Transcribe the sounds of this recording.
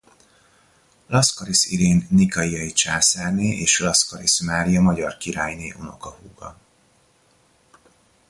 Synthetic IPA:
lɒskɒɾisiɾeːnːikɒijɒjit͡ʃaːsaːrneːʔeːʃlɒskɒɾismaːɾijɒmɒɟɒrkiɾaːjneːʔo̞no̞̰kɒhuːɡɒ̰

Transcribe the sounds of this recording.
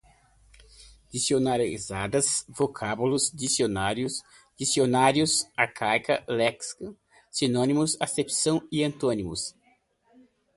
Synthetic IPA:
d͡ʒisionaɾḭzad̪ɐsvokʰabulʊsd͡ʒisionaɾjʊs | d͡ʒisionaɾjʊsaɾkʰajkɐ̰lɛksk | sinõnimʊsasepsɐ̃w̃iɐ̃nt̪õnimʊ̰s

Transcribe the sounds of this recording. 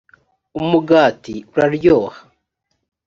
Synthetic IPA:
umuɡaːtiuɾaɾjoːhḁ

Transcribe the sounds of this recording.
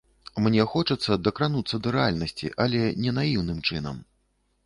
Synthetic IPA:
mnʲɛxɔt͡ʂɐt̪sːɐd̪ɐkɾanut̪sːɐd̪ɐɾɛalʲnɐsʲt͡sʲḭʔɐlʲɛnʲɛnajiwnɨmt͡ʂɨnɐ̰m

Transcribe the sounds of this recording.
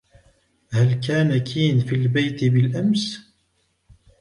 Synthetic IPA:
hælkaːnakʰiːnfilbajt̪bɪlʔams

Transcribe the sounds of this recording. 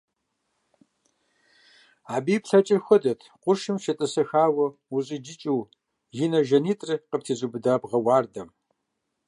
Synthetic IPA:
aːbiːpɬɐt͡ʃʼɪrxʷɔdɐtʰqʷʊʃɨmʃɐtʼɐsɐxaːwɐuɕʼɪd͡ʒɪt͡ʃʼiw | jinɐʒɐniːtʼrɨqəp̚tʰiːzubɨdaːbʁɐwaːrdɐm

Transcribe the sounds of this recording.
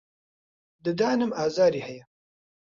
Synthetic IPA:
d̪ɨd̪aːnɨmaːzaːɾihɛjɛ

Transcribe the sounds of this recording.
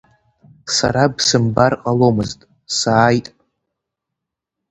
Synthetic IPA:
sa̰ɾabsɨmbarqʼalo̞mɨztʼ | saːjtʼ

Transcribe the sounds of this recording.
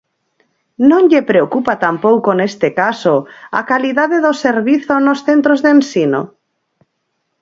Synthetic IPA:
nõŋʎepɾeokupat̪ampowkonest̪ekasoa̰kaliðaðeðoseɾβiθonosθent̪ɾozðensino̰

